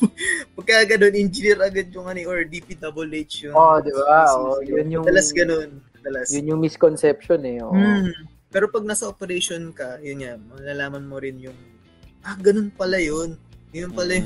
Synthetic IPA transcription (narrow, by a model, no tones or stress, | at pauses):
pɐɡ̚kɐaɡɐno̞nʔɪnd͡ʒɪniɾʔɐɡɐd̪̚jʊŋʔɐniʔoɹd̪ipid̪ɐbʊlʔet͡ʃjʊod̪ɪbaʔoʔjʊnjʊŋɐlasɡɐnonɐd̪ɐlɐsjʊnjʊŋmɪskonsɛpʃonɛʔoʔ | pɛːɾo̞pɐɡ̚naːsɐʔopɛɾejʃonkɐjʊnŋamɐlɐlaːmɐnmoɾɪnjʊŋ | ʔaɡɐnonpɐlɐjonɡɐnonpɐlaj